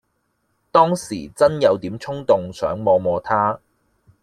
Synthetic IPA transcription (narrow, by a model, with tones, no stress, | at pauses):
t̪ɔː˥ŋsiː˨˩t͡sɐ˥njɐ˨˧wt̪iː˨˥mt͡ʃʰʊ˥ŋt̪ʊ˨ŋsœ̰ː˨˥ŋmɔː˨˧mɔː˨˧t̪ʰaː˥